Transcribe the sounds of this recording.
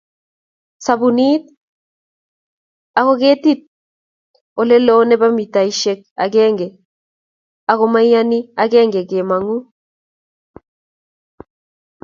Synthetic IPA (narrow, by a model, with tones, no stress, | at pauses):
sa˨bu˨ni˦t̪̚ | a˨ko˦ke˦ti˦t̪̚ | o˨le˦lo˦nɛ˦ba˦mi˨ta˨i˦ʃe˦k̚a̰˨ɡɛ˦ŋɡɛ˨ | a˨ko˦ma˦jja˦ni˦a˦ɡɛ˦ŋɡɛ˨ke˨ma˨ŋu˦